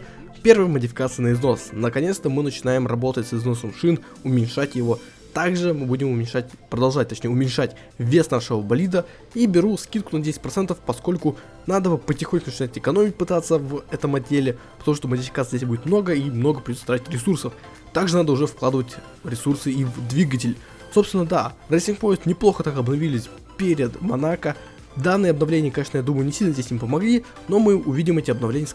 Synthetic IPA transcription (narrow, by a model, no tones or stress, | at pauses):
pʲe̞rvəjəmədʲɪfʲɪ̥kat̪sɨjənəɪzno̞snəkɐnʲet̪st̪əmɨnət͡ɕɪnajɪmrɐbo̞t̪ətʲsɨzno̞səmʂɨn | ʊmʲɪnʲʂatʲjɪvo̞ | t̪aɡʐɨmɨbudʲɪmʊmʲɪnʲʂat̚ʲpɾəd̪ɐlˠʐat̚ʲt̪ɐt͡ɕʲnʲejʊmʲɪnʲʂatʲ | vʲːe̞snaʂɨvəbɐlʲid̪ə | ibʲɪɾuskʲit̪kʊnɐdʲesʲɪ̥t̚ʲpɾɐt̪sɛnt̪əfpɐsko̞lʲkʊ | nad̪əpətʲɪxonʲkʊnt͡ɕɪnaɪtʲɪkɐno̞mʲɪt̚ʲpɨt̪at̪sːəvɛt̪əmɐdʲːelʲɪ | pət̪ɐmuʂt̪omədʲɪfʲɪ̥kat̪zʲdʲes̬ʲbudʲɪt̪̚mno̞ɡəimno̞ɡəpɾʲɪdʲot̪ət̪ɾat̪ʲɪtʲɾʲɪsursəf | t̪aɡʐɨnad̪əʊʐɛfklˠad̪ɨvətʲ | ɾʲɪsursɨivd̪vʲiɡət̬ʲɪlʲ | sopst̪vʲɪnːəd̪arɛsʲɪnŋk̚po̞jɪst̪nʲɪplˠo̞xət̪akɐbnɐvʲilʲɪsʲ | pʲeɾʲɪd̪mɐnakə | d̪anːɨjəɐbnɐvlʲenʲɪjəkɐnʲeʂnəjad̪uməjʊnʲɪsʲilʲnəzʲdʲesʲimpəmɐɡlʲi | no̞mɨʊvʲidʲɪmɛtʲɪɐbnɐvlʲenʲɪjə